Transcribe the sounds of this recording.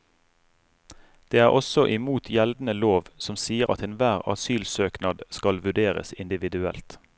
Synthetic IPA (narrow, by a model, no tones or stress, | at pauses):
d̪̥eːæːʁɔsɔʔɪmuːt̪ʰjɛld̪n̩əloːʋsɔmsiːəʁɑ̰t̪eːnʋæːʁɑ̰syːlsøːknɑd̪skɑlʋʉɖeːʁə̰sɪnd̪ɪʋɪd̪ʉɛ̰lt̪